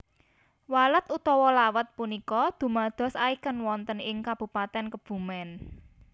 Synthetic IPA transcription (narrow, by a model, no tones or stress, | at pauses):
walət̪ut̪ɔwɔlawət̪̚punikɔd̪̥ṳmad̪̥ɔ̤saikənwɔnt̪ənɪŋkab̥ṳpat̪ɛnkəb̥ṳmɛn